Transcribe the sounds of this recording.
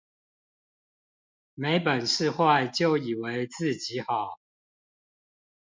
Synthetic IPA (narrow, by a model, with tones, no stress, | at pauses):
me˧˥ɪpə˨˩nʂɻ̩˥˧xwa˥˨ɪt͡ɕjo˥˨ʊi˨˩we˨˦˥ɪt͡sɹ̩˥˨t͡ɕi˨˦xɑ˨˩˦ʊ